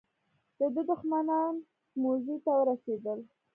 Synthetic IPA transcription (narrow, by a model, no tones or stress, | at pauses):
d̪̥əd̪əd̪ʊxmanɑn | mozit̪awəɾased̪əl